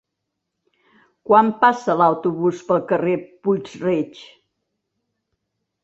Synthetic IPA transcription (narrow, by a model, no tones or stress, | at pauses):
kwampasəlawt̪uβuspəlˠkəreput͡sret͡ʃ